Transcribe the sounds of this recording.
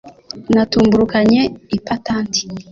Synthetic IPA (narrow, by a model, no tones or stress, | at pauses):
natuːmbuɾukaɲeipataːnti̥